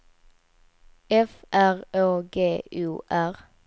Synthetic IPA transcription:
ɛfæʁøːɡeːʉːʔæʁ

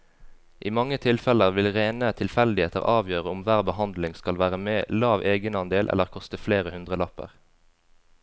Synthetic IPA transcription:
ʔiːmɑŋːət̪ʰɪlfɛləʁʋɪlʁeːnət̪ʰɪlfɛld̪ɪheːt̪ə̰ʁʔɑːʋjøːʁəʊmʋæːʁbəhɑnd̪lɪŋskɑlʋæːʁəmeːlɑːʋʔeːɡənɑnd̪eːlʔɛ̰ləʁkʰɔst̪əfleːʁəhʉnd̪ʁəlɑpə̰ʁ

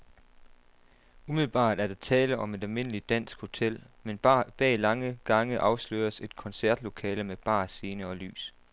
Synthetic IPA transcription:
umiðl̩b̥ɑ̰̈ːd̥æɐɾ̥ɑ̈t͡sʰɛːləʔɒ̽me̝d̥ælme̝n̰əlid̥æn̰sɡ̥ho̝t͡sʰel̰ | menb̥ɛ̰ːlɑ̈ŋəɡ̥ɑ̈ŋəʔɑ̈ʊslø̰ːɐse̝d̥kʰɒ̽nsæɐd̥lo̝kʰɛːləmeb̥ɑ̰̈ːse̝ːnəɒ̽ly̰ːs

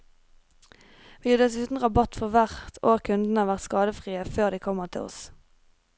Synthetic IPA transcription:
ʋiːɑd̪ɛsʉːt̪n̩ʁɑbɑt̪fɔʁʋæʁt̪ʰoːʁkʰʉnd̪n̩əhɑːʋæʁt̪skɑːd̪əfʁiːəføːʁd̪iːkʰɔməʁt̪ʰɪ̰ɔ̰s

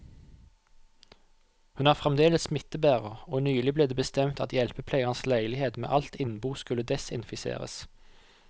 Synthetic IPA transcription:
hʉnæːʁfʁɛmd̪eːləssmɪt̪əbæːʁəoːnyːlɪbleːd̪eːbəst̪ɛmt̪ɑt̪jɛlpəpʰleːɡɑnslæɪlɪheːd̪mḛːʔɑlt̪ɪnbuːskʉlːəd̪ɛsɪnfɪsḛːʁə̰s

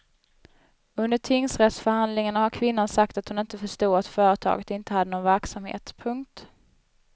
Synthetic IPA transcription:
ɵnd̪əʈʰɪŋsɾɛt̪sfœɾhand̪lɪŋanahaɾkʰvɪnːansak̚t̪at̪hʊnɪnt̪əfœʂt̪uːat̪fœːɾət̪ʰɑ̰ːɡət̪ɪnt̪əhad̪ːənoːnvæɾksamhḛːt̪pʰɵŋkt̪

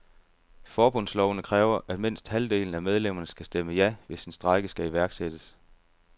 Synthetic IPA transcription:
fɒːb̥ɔn̰slɒʊnəkʰʁɛːʊɐʔæd̥me̝n̰sd̥hæld̥e̝̰ːln̩æmeð̞ˠlem̰ɐnəsɡ̥æsd̥eməjæʋe̝sinsd̥ʁɑ̈ɪɡ̥əsɡ̥æiʋæɐɡ̥sed̥əs

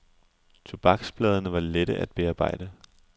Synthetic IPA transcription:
t͡sʰob̥ɑ̈ɡ̥sb̥lɛːð̞ˠənəʋɑ̈leɾ̥əʔæd̥̚b̥e̝ɑ̈ːb̥ɑ̈ɪ̰d̥ə

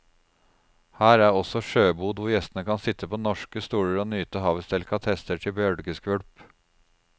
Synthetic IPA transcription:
hæːɾæɾɔsɔʂøːbuːd̪ʋʊɾjɛst̪ənəkʰɑnsɪt̪ʰːəpʰoːnɔʂkəst̪uːɽəɾoːnyːt̪əɦɑːʋəst̪ʰɛlkʰɑt̪ʰɛst̪əʈʰɪbjœɽɡəskʋœɽp

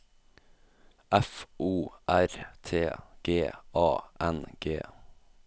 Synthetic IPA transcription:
æfuːʔæɾt̪ʰeːɡ̥eːʔɑːʔɛnɡḛː

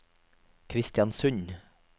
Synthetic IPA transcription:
kʰɾɪst̪jɑnsʉɲ

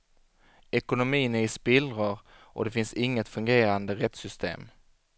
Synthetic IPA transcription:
ɛkʊnʊmiːnæɪspɪlɾaɾ | ʔɔ̰d̪ɛfɪnsɪŋːət̪fɵŋɡeːɾand̪əɾɛt̪sʏst̪ʰḛːm

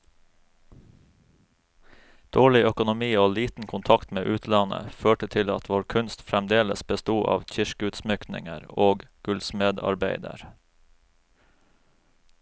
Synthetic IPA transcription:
d̪̥oːɭɪœkʊnʊmiːoːliːt̪n̩kʰʊnt̪ʰɑkt̪meːʔʉːt̪ʰlɑnə̰føːʈət̪ʰɪlɑt̪ʋoːɾkʰʉnst̪fɾɛmd̪eːlə̰sbəst̪uːʔɑ̰ːʋc͡çɪʃkəʉːt̪smʏknɪ̰ŋəɾoːɡɡ̥ʉlsmeːd̪ɑ̰ɾbeɪd̪ə̰ɾ

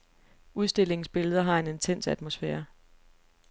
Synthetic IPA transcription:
uð̞ˠsd̥e̝l̰e̝ŋ̩sb̥e̝ləð̞ˠɐɦɑ̈e̝ne̝nt͡sʰen̰sæd̥mosfɛːɐ

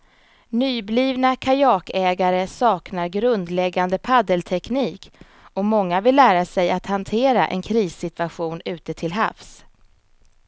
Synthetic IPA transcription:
nyːbliːvnakʰajɑːkɛːɡaɾəsɑːknaɾɡɾɵnd̪lɛɡːand̪əpʰad̪əlt̪ʰɛkniːk | ɔmɔŋːavɪlːæːɾasɛjat̪han̪t̪ʰeːɾa̰ʔɛ̰nkʰɾiːsːɪt̪vaɧuːnʉ̟ːt̪ət̪ʰɪlɦa̰fs

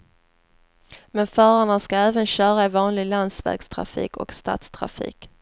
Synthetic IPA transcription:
mɛnfœːɾaɳəskaɛːvənɕœːɾaɛvɑːnlɪɡland̪svæ̰ːɡst̪ʰɾa̰fḭːkʰɔ̰kst̪a̰ːt̪st̪ʰɾa̰fḭːk

